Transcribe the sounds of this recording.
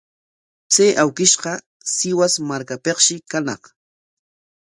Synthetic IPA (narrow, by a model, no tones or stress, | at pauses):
t͡sejʔawkɪʃqɑ | sɪwasmaɾkapeqʃɪkanɑ̰χ